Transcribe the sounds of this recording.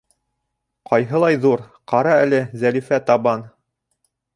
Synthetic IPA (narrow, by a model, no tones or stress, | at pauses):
qɑjɦɤ̆lˠɑjðuɾqɑɾɑælɘzælifæt̪ɑβɑn